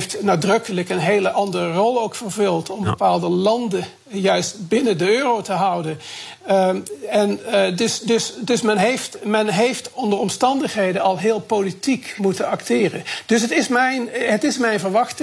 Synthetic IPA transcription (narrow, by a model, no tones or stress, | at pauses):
ftnaːdrɵkələkənɦejləʔɑndərərɔlˠowkfəɹvɵlˠtʰɔmbəpaːlˠdəlɑndə | jœɥstbɪnəndəøːrowtəɦʌwdən | ɛndəsdɵsdɵsmɛnɦejftmɛnɦejftɔndəɹɔmstɑndəχɦejdəɑlˠɦɪːlˠpolitikmutənɑktɪːrənd̥ɵs̬ɦətɪsmɛjnɦətɪsmɛjnvəɹʋɑχt